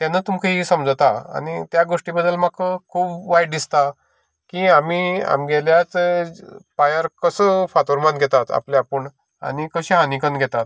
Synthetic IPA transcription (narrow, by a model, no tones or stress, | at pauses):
t̪janət̪umkʰəɦisəmd͡zt̪aa̰ɽ̃it̪jaɡoʂʈibəd̪ːəlmakəkʰuːbʋajɖd̪ist̪a | kiamiːa̰mɡeljat͡s | pajəɾkəsəfat̪oɾmanɡʱɛt̪at̪a̰pleapəɳ | a̰ɽ̃ikəɕiɦanikənɡʱɛt̪at̪